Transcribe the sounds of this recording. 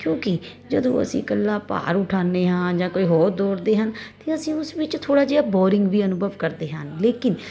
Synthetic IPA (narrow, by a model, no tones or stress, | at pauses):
kjõːkɪ | d͡ʒəd̪õ̰ːə̰sḭ̃ːkəlːaːpa̰ːɾʊʈʰaːneːɦãːd͡ʒãːkoːiːɦoːɾd̪oːɾd̪eːɦənt̪eːəsĩːʊsʋɪt͡ʃt̪ʰoːɽaːd͡ʒeːaːbɔːɾɪ̃ŋɡʋiːənʊbəʋkəɾd̪eːɦənleːkɪn